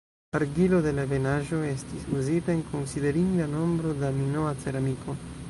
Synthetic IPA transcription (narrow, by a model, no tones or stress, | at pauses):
aɾɡilode̞lavenaʒoestisuzit̪aeŋkonsideɾiŋɡano̞mbɾod̪aminoat͡seɾamikʰo